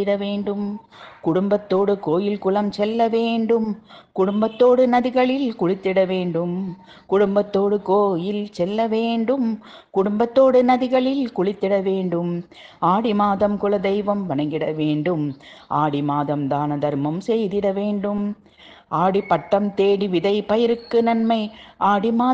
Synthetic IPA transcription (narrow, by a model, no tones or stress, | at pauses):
ɪɽɐʋeːɳɖɯmkʊɽʊmbɐt̪ːoːɽɯkoːjɪlkʊlɐmsɛlːɐʋeːɳɖɯmkʊɽʊmbɐt̪ːoːɽɯnɐðɪɣɐɭɪlkʊɻɪt̪ːɪɽɐʋeːɳɖɯm | kʊɽʊmbɐt̪ːoːɽɯkoːjɪlsɛlːɐʋeːɳɖɯm | kʊɽʊmbɐt̪ːoːɽɯnɐðɪɣɐɭɪlkʊɻɪt̪ːɪɽɐʋeːɳɖɯm | aːɽɪmaːðɐmkʊlɐd̪ɛɪʋɐmʋɐɳɐŋɡɪɽɐʋeːɳɖɯmʔaːɽimaːðɐmd̪aːnɐd̪ɐɾmɐmsɛjðɪɽɐʋeːɳɖɯm | ʔaːɽipɐʈːɐmt̪eːɽiʋɪðɐɪpɐjɐɾɯkːɯnɐnmɐɪʔaːɽimaː